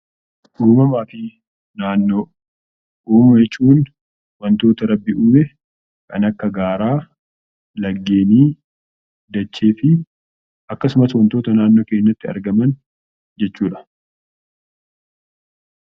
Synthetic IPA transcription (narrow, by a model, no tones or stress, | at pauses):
ʔuːmɐmaːfɪ | naːnːoː | ʔuːmjɛt͡ʃːuːn | wɐnt̪o̞ːt̪ɐɾɐbːɪuːmɛ | kɐ̰nɐkːɐɡaːɾaː | lɐɡːe̞ːniː | d̪ɐt͡ʃːe̞ːfɪ | ʔɐkːɐsʊmɐswɐnt̪oːt̪ɐnaːnːo̞ːke̞ːnːɐt̪ːɪɐ̰ɾɡɐmɐn | d͡ʒɛt͡ʃːuːᶑɐ̥